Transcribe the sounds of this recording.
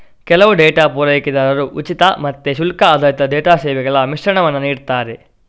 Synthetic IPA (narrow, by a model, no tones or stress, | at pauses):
kɛlɐʋuɖɛːʈaːpuːɾɐjɐkid̪aːɾɐɾuʔut͡ʃit̪ɐmɐt̪ːeʃ̬ulkaːd̪ʱaːjit̪ɐɖɛːʈaːsɛːʋɛɡɐɭɐmiʂɾɐɳɐʋɐnːɐniːɖt̪aːɾe